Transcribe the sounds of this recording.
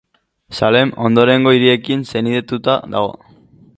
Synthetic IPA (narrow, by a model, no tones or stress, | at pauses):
sale̞mo̞nd̪o̞ɾe̞ŋɡo̞iɾie̞kinse̞niðe̞t̪ut̪aða̰ɣo̞̰